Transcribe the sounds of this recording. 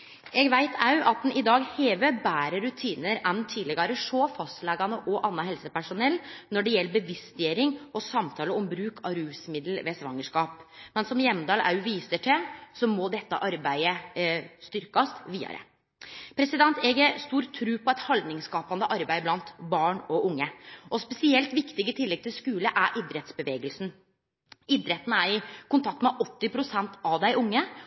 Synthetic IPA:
ɛɡʋæɪt̪ʰɑʉʔɑt̪̚d̪nɪd̪ɑːɡheːʋebæːɾəɾʉt̪ʰiːnəɾɛnt̪ʰiːd̪lɪɡɑɾəʂoːfɑst̪lɛɡɑnəʔɔʔɑnːɑɦhɛlsəpæʂʊnɛlːnɔɖɛjɛlːəbəʋɪst̪jeːɾɪŋʔɔsɑmt̪ʰɑːləɔmbɾʉːkʰɑɾʉːsmɪd̪l̩ʋeːsʋɑŋːəʂkɑːpmɛnsɔmjɛmːd̪ɑːlʔɑ̰ʉʋiːsəʈʰɪsɔmɔd̪ɛt̪ːə̰ʔɑɾbæɪəst̪ʏɾkɑst̪ʋiːɑ̰ɾə̰ | pʰɾɛsɪd̪ɛnt̪eːɡəst̪uːɾt̪ʰːɾʉːpʰɔɛt̪hɑld̪nɪŋskɑːpɑnd̪əʔɑɾbæɪblɑnt̪bɑːɳɔʊŋːəʔɔspɛsɪɛlt̪ʋɪkt̪ɪɡət̪ʰɪlːɛɡ̚t̪ʰɪlskʉːləʔæɾʔɪd̪ɾɛt̪sbəʋeːɡəlsn̩ | ɪd̪ɾɛt̪nəæɾɪkʊnt̪ʰɑk̚t̪mɛʔɔt̪ːɪpʰɾʊsɛnt̪ʰɑʋd̪æɪʔʊŋːə

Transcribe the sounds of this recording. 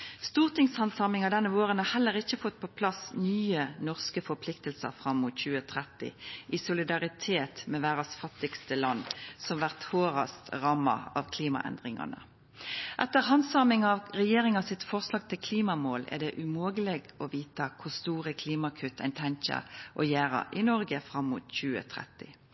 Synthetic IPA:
st̪uːʁt̪ɪŋshɑnsɑmɪŋɑd̪ɛnːəʋoːʁənhɑhɛlːəʁɪçəfɔt̪̚ːpʰɔpʰlɑsnyːənɔʁskəfɔpʰlɪkt̪əlsə̰ʁfʁɑmːʊt̪çʉːət̪ʰʁɛt̪ɪ̰ʔɪsʊlɪd̪ɑʁɪt̪ʰeːt̪mɛʋæːʁɑsfɑt̪ːɪɡst̪əlɑnːsɔmʋæʁt̪hoːʁɑ̰st̪ʁɑːmːɑ̰ɑ̰ʋkʰliːmɑ̰ʔɛ̰nd̪ʁɪŋɑ̰nə̰ | ʔɛt̪ːəʁhɑnsɑːmɪŋɑʋʁɛjeːɾɪŋɑsɪt̪fɔʁslɑːɡ̚t̪ʰɪlkʰliːmɑmoːlæ̰ʁd̪ɛʔʉmoːɡəlɛɡɔʋiːt̪əkʰʊʁst̪uːʁəkʰliːmɑkʰʉt̪ʰːæɪnt̪ʰænt͡ʃə̰ʔɔjæːʁɑ̰ʔɪnɔʁɡəfʁɑmːṵt̪çʉːə̰t̪ʰʁɛ̰t̪ːɪ

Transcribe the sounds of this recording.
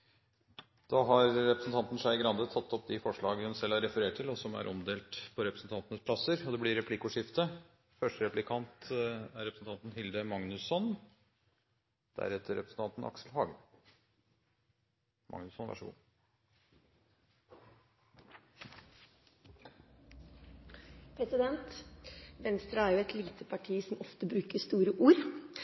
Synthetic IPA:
d̪̥ɑːɦɑɾɾɛpɾəsn̩t̪ʰɑnt̪n̩ʂæɪɡɾɑnd̪ət̪ʰɑt̪ːɔp̚d̪ɪfɔʂɭɑːɡəhʉmsɛlɑɾɛfəɾeːʈʰːɪlɔsɔmæ̰ɾʔɔmd̪eːlt̪pʰɔɾɛpɾəsn̩t̪ʰɑnt̪ənəspʰlɑsəɾɔd̪ɛblɪɾɛpʰlɪkʊʂɪft̪ə | fœʂʈəɾɛplɪkʰɑnt̪æɾɛpɾsn̩t̪ʰɑnt̪n̩hɪld̪əmɑŋnʉsɔn | d̪̥æ̰ɾɛt̪əɾɛ̰pɾəsn̩t̪ɑnt̪ən̩ʔɑ̰ksl̩hɑːɡə | mʔɑ̰ŋnʉsɔnʋæ̰ʂəɡṵː | pʰɾɛsɪd̪ɛnt̪ʋɛnst̪ɾɑæɾjʊɛt̪liːt̪ʰəpʰɑʈʰiːsɔmɔft̪əbɾʉːkəst̪uːɾəʔuːɾ

